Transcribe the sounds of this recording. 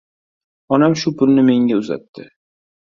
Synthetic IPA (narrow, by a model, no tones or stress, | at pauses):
ɒnamʃʊpʰʊlnɪme̞ŋɡʲaʊza̰t̪ːɪ